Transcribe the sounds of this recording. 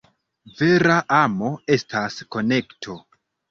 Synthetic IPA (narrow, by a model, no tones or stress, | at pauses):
ve̞ɾaʔamo̞e̞stʰasko̞ne̞ktʰo̞